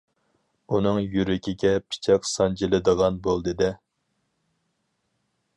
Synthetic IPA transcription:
unɨŋjyɾɪkʲiɡʲɛpʰi̥t͡ʃʰɛksɑnd͡ʒilɪd̪əʁɑnbolˠd̪ɨd̪ɛ

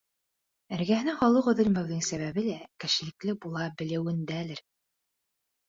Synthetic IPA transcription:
ɘ̆ɾɡæhɘ̆nɘŋχɑlˠɤqɵ̆ðɵ̆lmæ̆wðɘŋsæβæβɘlækɘ̆ʃɘ̆lɘ̆klɘbulˠɑbɘ̆lɘ̆wɘ̆nd̪ælɘɾ

